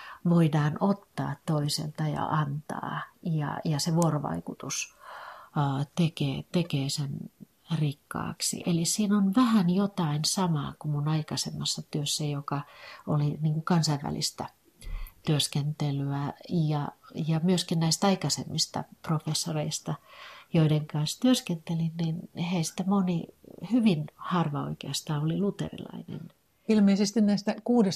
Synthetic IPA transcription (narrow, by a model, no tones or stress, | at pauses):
ʋoidɑːnot̪ːɑ̰ːt̪toisḛlt̪ɑjɑ̰ʔɑnt̪ɑ̰ːjɑ̰jɑseʋuoroʋɑ̰ikut̪us | t̪ekeːt̪ekeːsen | rikːɑ̰ːksḭʔelissiːnonʋæhænjot̪ɑinsɑmɑ̰ːkumunɑikɑsemːɑsːɑt̪yøsːæjokɑoliniːŋkukɑnsɑiʋʋæ̰lḭst̪æ | t̪yøskent̪elyæjɑjɑmyøskinnæist̪ɑikɑsḛmːist̪ɑ̰profesːoreist̪ɑjoideŋkɑnst̪yøskent̪elinninheisi̥t̪æmonihyʋinhɑrʋɑo̰ikeɑst̪ɑːolilut̪ḛrḭlɑ̰inḛn | ilmeisest̪innæist̪ækuːdes